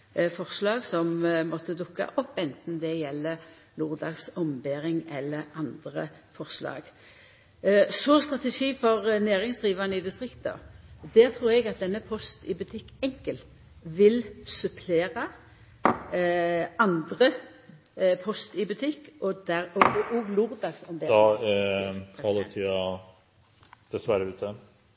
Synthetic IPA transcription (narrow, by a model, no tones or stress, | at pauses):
fɔʁslɑːɡsɔmmɔt̪ːəd̪ʊkːɑ̰ʔɔpːɛnt̪n̩d̪ɛjɛlːə | luːʁd̪ɑːɡsɔmbeːʁɪŋɛlːəɾɑnd̪ʁə̰ | fɔʁslɑ̰ːɡ | sɔst̪ʁɑt̪ɛʂiːfɔʁnæːʁɪŋsd̪ʁiːʋɑnəɪd̪ɪst̪ʁɪkt̪ə̰d̪æʁt̪ʰʁuːʁɛɡɑt̪̚d̪ɛnːəpʰɔst̪ɪbʉt̪ʰɪkːɛŋkəl | ʋɪlsʉpʰleːʁɑ | ɑnd̪ʁə | pʰɔst̪ɪbʉt̪ʰɪkːʔɔd̪æʁɔɡʔuːɡlʊʁd̪ɑɡsɔmd̪e | kʰɑlət̪ʰɪɑ | d̪̥ɛsʋæɾəʉːt̪ʰə